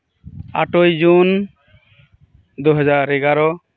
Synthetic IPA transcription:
a̰ʈojd͡ʒun | d̪uɦɔd͡ʒaɾɛɡaɾɔ

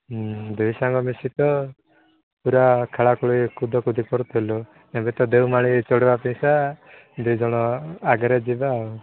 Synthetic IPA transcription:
d̪ujsaŋɡɔmisit̪ɔ | puɾakʰaɭakɔɭikud̪ʱɔkud̪ʱipɔɾt̪ʰɦelɔ | ebet̪ɔd̪ewmaɭ̃it͡ʃɔɽibapĩj̃sa | d̪ujd͡ʒɔɽ̃ɔaɡɔɾed͡ʒibau

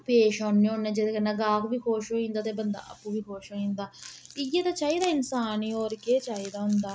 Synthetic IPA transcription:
peːʃɔ̃ːnːiõːnːẽːd͡ʒed̪eːkənːaːɡaːkʋiːkʰoːʃoːĩːnd̪aːt̪eːbənd̪a̰ːʔə̰pːũːʋiːkʰoːʃoːĩːnd̪aːɪjeːt̪aːt͡ʃaːiːd̪aːɪnsaːniːɔːɾkeːt͡ʃaːiːd̪aːɦʊnd̪aː

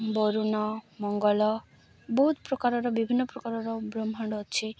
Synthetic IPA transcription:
bɔɾunɔmɔŋɡɔlɔ | bɔɦut̪pɾɔkaɾɔɾɔbibʱinːɔpɾɔkaɾɔɾɔbɾɔmʱɔɳɖɔt͡ʃʰi

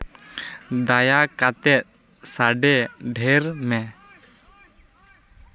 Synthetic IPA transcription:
d̪ajakat̪ɛt̪̚ | saɖɛɖʱɛɾmɛ

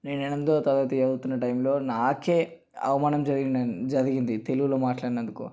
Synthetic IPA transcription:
neːnenent̪oːt̪ɐd̪ɐʋɐt̪ueɐd̪ut̪unːɐʈɐjmlo̞ːnaːke̞ː | ɐ̰ʋɐmaːnɐmd͡ʒɐɾiɡid͡ʒɐɾiɡind̪it̪e̞luɡuloːmaːʈlaːɾinɐnd̪ukṵ

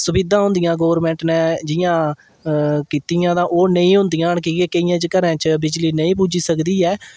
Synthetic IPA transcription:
sʊbɪd̪ãːɦʊ̃nd̪ijãːɡoːʋəɾmɛ̃ːɳʈnɛ̃ːd͡ʒɪjãː | kiːt̪ijãːd̪ãːʔoːnəĩːɦʊ̃nd̪ijãːɳkiːkeːkəijãːt͡ʃəkəɾãːt͡ʃbɪd͡ʒliːnəĩːpuːd͡ʒiːsəkd̪iːɛː

